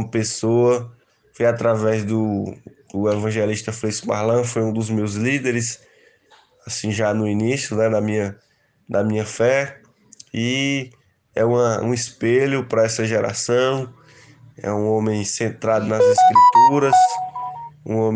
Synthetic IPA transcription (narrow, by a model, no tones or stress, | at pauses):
ũmɐpesoɐ | fojat̪ɾavɛzd̪ʊd̪ʊevɐ̃ʒɛliʃt̪ɐflesma̰ɾlɐ̃fojũd̪ʊzmewzlid̪eɾɪs | asĩʒanʊinisjʊnɛd̪ɐmĩɲɐ | d̪ɐmĩɲɐfɛ | i | ɛ̰ũmɐũispeʎʊpɾɐɛsɐʒɛɾa̰sɐ̃w̃ | ɛ̰ũõmẽj̃sẽnt̪ɾad̪ʊnɐziskɾit̪uɾɐs | ṵ̃õm